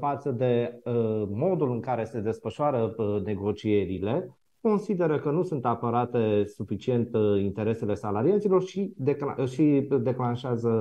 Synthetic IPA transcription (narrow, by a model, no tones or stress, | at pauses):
fat̪səd̪e̞əmo̞d̪ulɨŋkaɾe̞se̞d̪e̞sfəʃoaɾəne̞ɡo̞t͡ʃie̞ɾile̞ | ko̞nsid̪e̞ɾəkənusunt̪apəɾat̪e̞sufit͡ʃie̞nt̪int̪e̞ɾe̞se̞le̞salaɾiat̪silo̞rʃid̪ekaʃid̪e̞klanʃeazə